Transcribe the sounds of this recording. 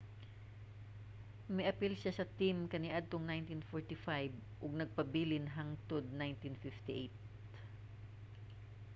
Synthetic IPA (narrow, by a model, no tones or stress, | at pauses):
mɪʔɐpilʃasɐt̪ɪmkɐnɪʔad̪̚t̪oŋnajnt̪infoɹt̪ɪfajbʔʊɡ̚nɐɡ̚pɐbiːlɪnɦaŋt̪od̪̚najnt̪infift̪ɪʔejt̪̚